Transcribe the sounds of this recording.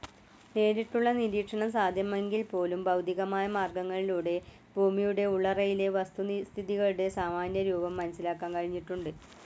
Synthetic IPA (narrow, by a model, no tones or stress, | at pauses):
neːɾiʈːuɭːɐniɾiːkʂɐɳɐmsaːd̪ʱjɐmeŋɡilpo̞ːlumbɐwd̪ʱiɣɐmaːjɐmaːrɡɐŋːɐɭiluːɽe̞ | bʱuːmijuɽe̞uɭːɐrɐjile̞ʋɐst̪unst̪ʰiðiɣɐɭuɽe̞saːmaːnjɐɾuːbɐmːɐnɐsilaːkːaːmkɐɻiɲːiʈːuɳɖɨ